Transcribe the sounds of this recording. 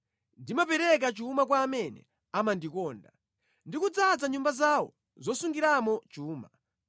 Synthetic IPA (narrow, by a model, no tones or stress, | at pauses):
ndimapɛɾɛk̬at͡ʃuumak̬waːmɛnɛ̰ | amandikɔːnda | ndikud͡zad͡zaɲumbazawɔ̰ | zɔsuŋɡiɾamɔt͡ʃuːma